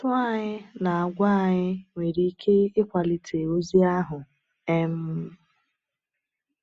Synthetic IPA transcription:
tʊ˦a˦˨ɲɪ˦na˨a˨ɡʷa˦a˨ɲɪ˦ŋʷe˨ɾi˦i˦kʰe˦ɪ˦kʷa˨lɪ˨tʰe˨o˦zi˦a˦ɦʊ˨ | e˦m̩˦

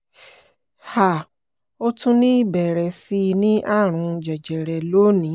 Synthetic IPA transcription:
ha˨ | o˧tũ˦nĩ˦i˦bɛ˨ɾɛ˨si˧˦˧nĩ˦ʔa˦˨ɾ̃ũ˧d͡ʒɛ˨d͡ʒɛ˨ɾɛ˨lo˨˦nĩ˨˦

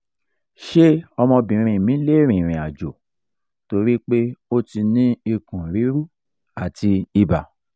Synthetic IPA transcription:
ʃe˦ɔ˧mɔ̃˧bĩ˨˧ɾ̃ĩ˧˨mĩ˨˦le˦˨ɾ̃ĩ˨ɾ̃ĩ˨a˨d͡ʒo˨ | to˧ɾi˦k͡pe˦o˦ti˧nĩ˦i˧kũ˨ɾi˨˦ɾu˦ | a˨ti˧i˧ba˨

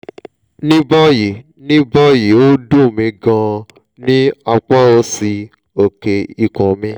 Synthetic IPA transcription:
nĩ˦bɔ˦ji˨˦ | nĩ˦bɔ˦ji˨˦o˦dũ˦˨mĩ˧ɡã˧ | nĩ˦a˧k͡pa˦o˧˦si˧ | o˨ke˧i˨kɔ̃˨mĩ˦

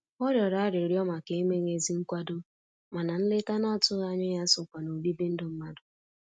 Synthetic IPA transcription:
ɔ˦ɾjɔ˨ɾa˨a˦ɾɪ˨ɾjɔ˦ma˨ke˨i˦me˦ŋe˨zi˦ŋ̩˦kʷa˦dʊ˦ | ma˨na˨n̩˦lɪ˦ta˦nɔ˦˨tʊ˦ɣa˦ɲʊ˦ja˦sʊ˨kʷa˨no˨bi˦be˦n̩˦dʊ˦m̩˦ma˦dʊ˨

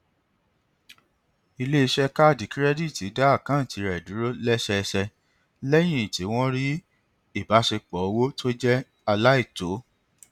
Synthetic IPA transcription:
i˧le˦i˧ʃɛ˦ka˦˨di˨˦kɾɛ˦di˦˨ti˨˦da˦a˦˨kã˨˦n̩˨ti˨˦ɾɛ˨du˨˦ɾo˦lɛ˦ʃɛ˧ʃɛ˧ | lɛ˦j̃ĩ˦˨ti˨˦w̃ɔ̃˦ɾi˦ | i˦˨ba˨˦ʃe˧k͡pɔ˨o˧wo˦tʰo˦d͡ʒɛ˦ | a˧la˦i˦˨to˨˦

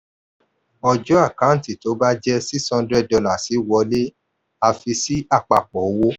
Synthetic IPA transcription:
ɔ˧d͡ʒɔ˦a˦˨kã˨˦n̩˨ti˨to˨˦ba˦d͡ʒɛ˦si˦shɔ̃˧ndɾɛ˦˨dɔ˧la˦˨si˨˦wɔ˧le˦ | a˧fi˧si˦a˦˨k͡pa˧˨k͡pɔ˨o˦wo˦

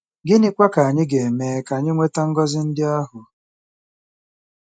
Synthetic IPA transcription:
ɡɪ˦nɪ˦kʷa˦ka˨a˨ɲɪ˦ɡe˨meː˦ka˨ɲɪ˦ŋʷe˦ta˦ŋ̩˦ɡɔ˦zɪ˦n̩˦dɪ˦a˦ɦʊ˨

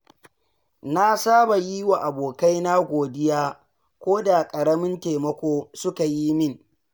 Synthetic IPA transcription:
na˦saː˦ba˨ji˦wa˨ʔa˨boː˨ka˦jna˦ɡʷoː˨dɪ˦jaː˦ | kʷoː˦da˨kʼɐ˨ɾɐ˦mɪ˦nteː˨mɐ˦kʷoː˦sʊ˦ka˨ji˦mɪ˦ŋ

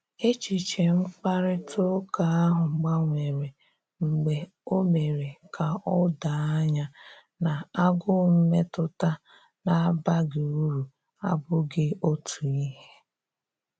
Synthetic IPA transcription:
e˦t͡ʃi˨t͡ʃe˨ŋ͡m̩˦k͡pa˦ɾɪ˦tʰo˦ka˨a˦ɦʊ˨ɡ͡ba˦ŋʷe˨ɾe˨ | ŋ͡m̩˨ɡ͡be˨ | o˦me˨ɾe˨kʰa˨ɔ˦da˨a˦ɲa˦ | na˨a˦ɡʊ˦m̩˦me˦tʊ˦ta˦ | na˨˦ba˦ɡɪ˨u˦ɾu˨ | a̰˦bʊ˦ɡɪ˦o˦tʰu˨i˦ɦe˦

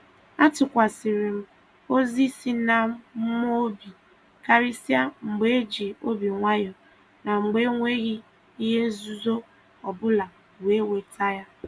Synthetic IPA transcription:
a˦tʊ˨kʷa˨si˨ɾi˨m̩˦ | o˦zi˦si˦na˦m̩˦m̩˦m˦o˦bi˨ | ka˦ɾi˦si˦a˦ŋ͡m̩˨ɡ͡be˦e˦d͡ʒi˨o˦bi˨ŋʷa˦jɔ˨ | na˨ŋ͡m̩˨ɡ͡be˦ŋʷe˦ɣɪ˦ | i˦ɦe˦n̩˦zu˦zo˦ | ɔ˨bʊ˦la˨ | we˦we˨tʰa˦ja˦

